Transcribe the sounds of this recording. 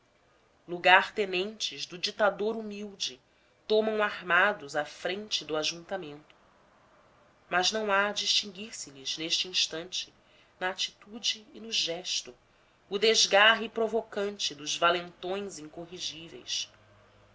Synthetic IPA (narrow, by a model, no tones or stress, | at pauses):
luɡaɾt̪enẽnt͡ʃɪzd̪ʊd͡ʒit̪ad̪oɾumiwd͡ʒɪ | t̪õmɐ̃w̃aɾmad̪ʊzafɾẽnt͡ʃɪd̪ʊaʒũnt̪amẽnt̪ʊ̥ | mɐznɐ̃w̃ad͡ʒiʃt͡ʃĩŋɡiɾsɪʎizneʃt͡ʃɪĩʃt̪ɐ̃nt͡ʃɪ̥ | nɐːt͡ʃi̥t̪ud͡ʒɪːnʊʒɛʃt̪ʊ | ʊd̪eʒɡaɦɪpɾovokɐ̃nt͡ʃɪd̪ʊzvalẽnt̪õj̃zĩŋkoɦiʒivḛjs